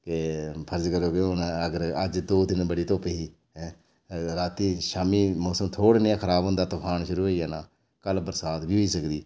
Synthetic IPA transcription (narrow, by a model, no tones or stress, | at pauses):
kepʰəɾd͡ʒkəɾoːɡeonəɡəɾəd͡ʒd̪oːd̪ɪnbəɽiːt̪oːpeːɦiː | ɦɛ̃ː | ɾaːt̪iːʃaːmiːmɔːsəmt̪ʰoːɽeːnɪãːkʰəɾaːbənd̪aːt̪ʊpʰaːnʃʊɾuːɦoiːaːnaː | kəlbəɾsaːt̪biːɦoiːsəkd̪iː